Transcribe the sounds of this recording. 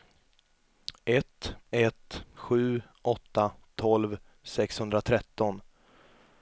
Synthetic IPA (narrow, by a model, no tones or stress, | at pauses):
ʔɛt̪ɛt̪ɧʉ̟ː | ɔt̪ːat̪ʰɔlv | sɛkshɵnd̪ɾat̪ʰɾɛt̪ːɔn